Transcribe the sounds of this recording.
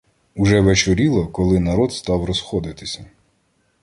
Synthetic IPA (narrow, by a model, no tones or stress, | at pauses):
uʒɛʋet͡ʃɔɾʲilˠɔkɔlˠɪnɐɾɔt̪st̪ɑwɾɔsxɔd̪ɪt̪ɪsʲɐ